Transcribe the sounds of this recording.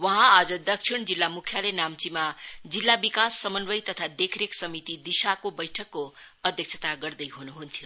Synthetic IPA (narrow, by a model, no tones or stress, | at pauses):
wʌɦãad͡zʌd̪ʌk̚t͡ʃʰiɳ̃d͡zilːamukʰjalenamt͡simad͡zilːabikasːʌmʌnbʌjt̪ʌt̪ʰad̪ekʰɾeksʌmit̪id̪isakobʌjʈʰʌkːoʌd̪ʱjʌk̚t͡ʃʰʌ̥t̪aɡʌrd̪ʌjɦunuɦunt̪ʰjo